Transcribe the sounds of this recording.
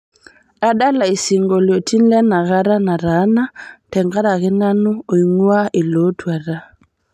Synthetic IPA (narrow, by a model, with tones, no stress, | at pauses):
a˦da˦la˨i˨si˨ŋɡɔ˨lo˨tʰi˦n̩˦lɛ˦na˨ɣa˦ɾa˦na˨ɾa˨˦na˦tɛ˨ŋɡa˦ɾa˨ɣɛ˦na˦nu˦o˨i˨ŋwa˦ʔe˨lo˨˦twa˨ɾa˦